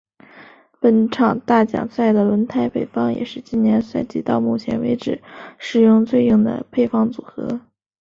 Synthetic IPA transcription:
pə˧˥nʈ͡ʂʰɑ˨˩ŋt̪a˥˩t͡ɕjɑ̰˨˩ŋsa˥˩ɪd̪ə˩lwə˧˥nt̪ʰa˥ɪpe˨˩ɪfɑ˥ŋjɛ̰˨˩ʂɻ̩˥˧t͡ɕi˥njɛ˧˥nswa˥˩ɪt͡ɕi˥t̪ɑ˥˧ʊmu˥˩t͡ɕʰjɛ̰˧˥nwḛ˧˥ɪʈ͡ʂɻ̩˨˩˦ʂɻ̩˨˩jʊ˥˧ŋt͡swe˥˧ɪi˥˩ŋd̪ə̰˩pʰe˥˧ɪfɑ˥˩ŋt͡su˨˩xɤ̰˧˥

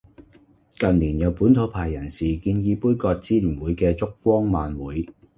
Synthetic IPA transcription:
kɐ˨nliː˨˩njɐ˨˧wpuː˨˥nt̪ʰo˨˧wpʰaː˨˩jːɐ˨˩nsiː˨kiː˧njiː˧puː˥jkɔː˧k̚t͡siː˥lyː˨˩nwuː˨˥jkɛː˧t͡sʊ˥k̚fɔː˥ŋmaː˨nwuː˨˥j

